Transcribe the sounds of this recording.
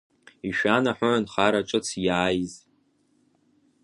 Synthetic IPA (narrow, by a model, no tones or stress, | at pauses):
iʃᶣanaħʷʊʕanχaɾaʈ͡ʂʼɨt͡sʰjaːjz